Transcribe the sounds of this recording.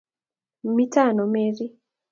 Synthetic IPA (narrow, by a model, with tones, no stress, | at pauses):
mi˦ta˦˨nɔ˨me˦ɾi˦